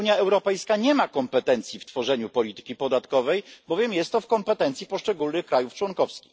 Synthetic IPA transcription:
uɲjaɛwɾɔpɛjskaɲɛmakɔmpɛt̪ɛnt̪sʲjift̪fɔʐɛɲupɔlʲit̪ɘ̥kʲipɔd̪at̪kɔvɛjbɔvʲjɛmjɛst̪ːɔfkɔmpɛt̪ɛnt̪sʲipɔʂt͡ʂɛɡulnɘxkɾajuft͡ʂwɔŋkɔfskʲi̥x

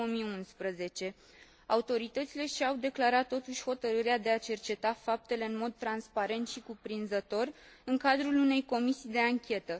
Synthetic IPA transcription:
omijunspɾəze̞t͡ʃe̞ | aut̪o̞ɾit̪ət̪sile̞ʃiawd̪e̞klaɾat̪ːo̞t̪uʃʲho̞t̪əɾɨɾead̪e̞at͡ʃe̞rt͡ʃe̞t̪afap̚t̪e̞le̞ɨnmo̞d̪̚t̪ɾanspaɾe̞nt̪ʃikupɾinzət̪o̞r | ɨŋkad̪ɾulune̞jko̞misijd̪e̞aŋkʲe̞t̪ə

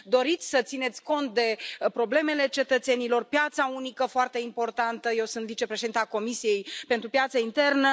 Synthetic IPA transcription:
d̪o̞ɾit̪sʲsət̪sine̞t̪sʲko̞nt̪̚d̪e̞pɾo̞ble̞me̞le̞t͡ʃe̞t̪ət̪se̞nilo̞rpjat̪saunikəfoart̪e̞impo̞rt̪ant̪əje̞wsunt̪vit͡ʃe̞pɾeʃed̪int̪ako̞misije̞jpe̞nt̪ɾupjat̪səint̪e̞rnə

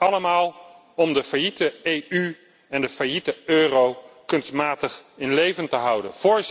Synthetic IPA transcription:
ɑləmaːlˠ | ɔmdəfajitəejy | ɛndəfajitəøːrowkɵnstmaːtəχɪnlejvəntəɦʌwdə̰nfʊːɹ

